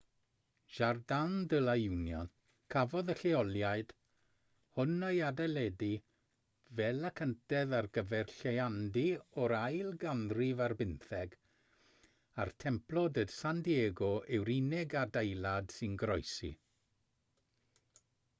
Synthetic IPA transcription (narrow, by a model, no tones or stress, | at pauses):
ʒ̥ardandəlˠajuwnjɔn | kʰavɔðəɬɛɔlˠjaɨd̥ | hʊnəjadɛlɛdi | vɛlˠakʰəntɛðarɡəvɛrɬeandiɔɾajlˠɡanrivarbɪnθɛɡ | a̰rtʰɛmplˠɔdəd̥sandieːɡɔʔɛwɾinɛɡadejlˠad̥sɨnɡɾɔjsḭ